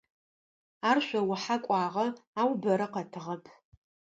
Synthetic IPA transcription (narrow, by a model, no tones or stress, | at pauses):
aːrʃʷɔwʊħakʷʼɑːʁɐaːwbɐɾɐqɐtʰɨʁɐpʰ